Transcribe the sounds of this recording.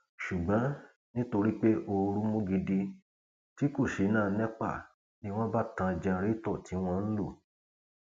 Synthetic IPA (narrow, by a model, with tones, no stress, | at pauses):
ʃu˨ɡ͡bɔ̃˨˦ | nĩ˦to˧ɾi˦k͡pe˦ʔo˧ɾũ˦mũ˦ɡi˧di˧ | ti˦ko˦˨ʃe˨˦nãː˦˨˦nɛ̃˦k͡pa̰˦˨ | ni˦w̃ɔ̃˦ba˦tã˧d͡ʒa˧˨ɾi˦tɔ˦˨ti˨˦w̃ɔ̃˦˧n̩˦lo̰˦˨